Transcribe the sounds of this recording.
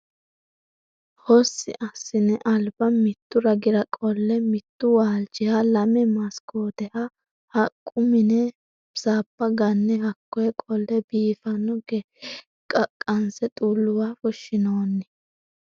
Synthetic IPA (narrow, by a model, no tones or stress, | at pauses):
hɔsːɪ̰ʔɐsːɪnɛʔɐlbɐmɪt̪ːʊɾɐɡɪɾɐkʼɔlːɛmɪt̪ːʊwaːlt͡ʃɪhɐlɐmɛmɐskoːd̪ɛhɐ | hɐkʼːʊmɪnɛ | saːpːɐɡɐnːɛhɐkːɔjɛkʼɔlːɛbiːfɐnɔɡɛ | kʼɐkʼːɐnsɛt̪ʼulːʊwaːfɔʃːɪnoːnːɪ